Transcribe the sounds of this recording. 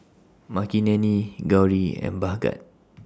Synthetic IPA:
makinɛ̃niɡawɹiɛ̰̃nbaɡa̰t̚

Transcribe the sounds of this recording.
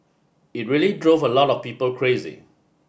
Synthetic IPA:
it̚ɹilidɹovəlɔtɔfpiːpəlkʰɹezḭ

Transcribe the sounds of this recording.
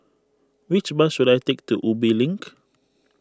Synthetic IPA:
wit͡ʃbasudajtek̚tuʔubilĩŋk

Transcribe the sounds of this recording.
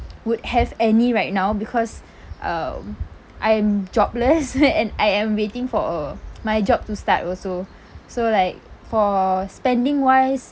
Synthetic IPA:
wudhɛvɛniɹaɪt̚naʊbikʰɔs | ʔʌ̰m | ʔajɛ̃md͡ʒɔbləsɛ̃najɛ̃mwetɪ̃ŋfɔmajd͡ʒɔb̚tustatɔlso | solaɪk̚fɔspɛ̃ndĩŋwajs

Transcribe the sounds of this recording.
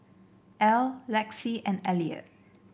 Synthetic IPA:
ʔɛlːɛksiɛ̃nɛliə̰

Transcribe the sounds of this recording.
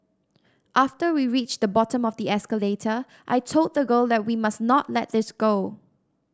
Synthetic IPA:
ʔaftəwiɹit͡ʃd̪əbɔtə̃mɔfd̪iɛskəletʰə | ʔa̰ɪtʰod̪̚dəɡolˠdɛt̚wimasnɔtlɛt̚d̪ɪsɡ̥o

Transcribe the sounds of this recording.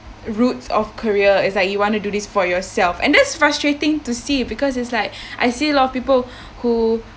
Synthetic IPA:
ɹutsɔfkʰəɹiəɪts̬laɪkjuwɔ̃ntududisfɔjɔsɛlfɛ̰̃ndɛtsfɹastɹetɪ̃ŋtusibikɔs̬ɪtslaɪk̚ʔajsiəlɔtɔfpipəl | hu

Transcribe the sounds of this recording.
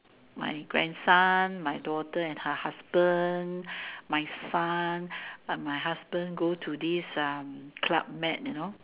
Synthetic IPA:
ma̰jɡɹɛ̰̃nsanmajdɔtəɛ̃nhəhasbə̃nmajsanmajɦasbə̃nɡotʰudisʌmkʰla̰p̚mɛt̚juno

